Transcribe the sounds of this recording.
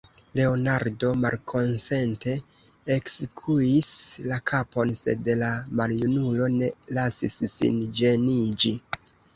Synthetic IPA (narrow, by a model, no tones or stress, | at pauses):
le̞o̞naɾdo̞malkʰo̞nse̞nte̞ | ekskʰuislakʰapo̞nse̞̰dlamaljunulo̞ne̞lasisːḭnd͡ʒe̞nid͡ʒi